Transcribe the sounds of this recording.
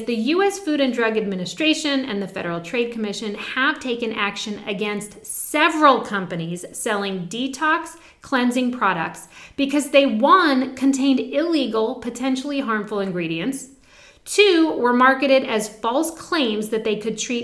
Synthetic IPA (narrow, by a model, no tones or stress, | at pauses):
zðɨjʉɛsfʉɾɨ̃ndɹʌɡɨd̚mɪ̃nɨstɹ̥eɪʃɨ̃nɨ̰̃nðɨfɛ̰ɾə˞l̩ˠtʰɹ̥eɪd̚kʰəmɪʃɨ̃nɨv̥tʰeɪkɨ̃nækʃɨ̃nɨ̰ɡɛ̃nst | sɛvɹəl̩ˠkʰʌ̃mpɨniz̥sɛlˠɪ̃ŋditʰɑks | kʰl̥ɛ̃nzɪ̃ŋpʰɹ̥ɑɾə̰k̚tsb̥ɨkʰʌzðeɪwʌ̃nkʰɨ̃ntʰẽɪ̃ndɪliɡl̩ˠpʰɨtʰɛ̃nʃl̩ˠiɦɑɹɱfl̩ˠɨ̃nɡɹiɾiɨ̃nts | tʰʉwə˞mɑɹkɨɾɪɾɨz̥fɔlˠskʰl̥ẽɪ̃mzðɨt̪̚ðeɪkʰɨd̚tʰɹ̥i